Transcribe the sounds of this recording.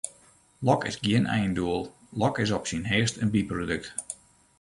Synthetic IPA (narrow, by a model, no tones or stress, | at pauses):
lɔkɪ̰sɡiənʔɛ̰jnduəlˠ | lɔkɪs̬ɔpsinɦɪəstənbiprodøk̚t